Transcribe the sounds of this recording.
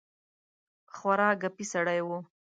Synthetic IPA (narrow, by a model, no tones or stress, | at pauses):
xwaɾɑɡapisaɽajwo